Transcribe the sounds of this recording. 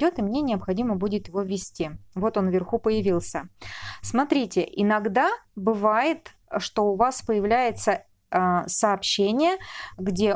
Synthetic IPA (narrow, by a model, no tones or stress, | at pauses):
o̞t̪ɨmnʲenʲɪəpxɐdʲiməbudʲɪt̪jɪvo̞vʲːɪsʲtʲivo̞t̪o̞nvʲɪrxupəjɪvʲilˠsʲəsmɐt̪ɾʲitʲɪʔɪnɐɡd̪abɨvajɪt̪ | ʂt̪o̞ʊvaspəjɪvlʲæjɪt̪sə | səːpɕːenʲɪjəɡdʲe̞